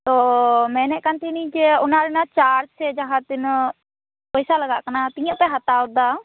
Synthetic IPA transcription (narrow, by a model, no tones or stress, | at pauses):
t̪ɔmɛːnɛʔkant̪ʰinĩt͡ʃeʊnaɾɛnat͡ʃaːɾsɛd͡ʒaɦãt̪ɪn | pəjsaləɡaʔkənat̪ijãʔpɛɦat̪aʊd̪a